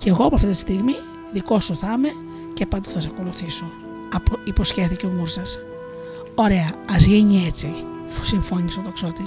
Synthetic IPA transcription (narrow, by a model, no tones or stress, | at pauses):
ce̞ɣo̞ɐpoɐft̪iit̪i̥st̪iɣmi | ðiko̞soθɐme̞ | ce̞pɐnd̪oθɐsɐko̞luθiso | ɐpoipo̞sçe̞θiceomuɾsɐs | o̞ɾe̞ɐɐzʝiɲie̞t͡si | siɱfo̞nist̪ot̪okso̞t̪i